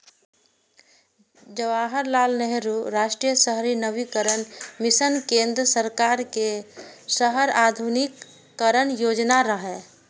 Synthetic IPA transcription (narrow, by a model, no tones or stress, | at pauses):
d͡ʒəʋaːɦəɾlaːlnɛɦɾuɾaːʃʈɾijəsəɦɾinəʋikəɾənmɪsənkẽːnd̪ɾəsəɾkaːɾkesəɦəɾaːd̪ʱunɪkː | əɾənjoːd͡ʒnaɾəɦɛː